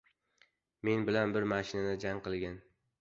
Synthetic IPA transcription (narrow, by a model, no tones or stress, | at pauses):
me̞nbɪlanbɪɾmaʃɪnanɪd͡ʒaŋqɨlˠɡʲan